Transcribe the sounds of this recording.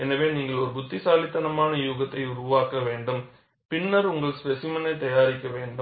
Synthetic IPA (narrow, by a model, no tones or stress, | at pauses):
ɛnɐʋeːniːŋɡɐɭɔɾɯbʊt̪ːɪsaːlɪt̪ːɐnɐmaːnɐjuːɣɐt̪ːɐɪʊɾʊʋaːkːɐʋeːɳɖɯm | pɪɳːɐɾʊŋɡɐɭspɛsɪmɐnɐɪt̪ɐjaːɾɪkːɐʋeːɳɖɯm